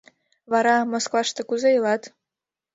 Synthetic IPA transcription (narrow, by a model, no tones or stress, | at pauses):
βɑɾɑmoskvɑʃt̪ɤ̆kuzejɤlɑt̪